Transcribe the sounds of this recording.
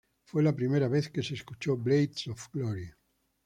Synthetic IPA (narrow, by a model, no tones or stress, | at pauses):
fwelapɾimeɾaβ̞eθkeseskut͡ʃoblejt̪sofɡloɾia